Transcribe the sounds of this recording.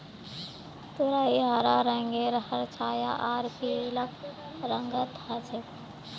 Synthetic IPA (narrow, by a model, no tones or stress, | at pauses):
t̪uɾaːiɦaɾaɾəŋɡeːɾhɐɾt͡ʃʰaːja̰ʔaːɾkilək | ɾəŋɡət̪at͡ʃʰe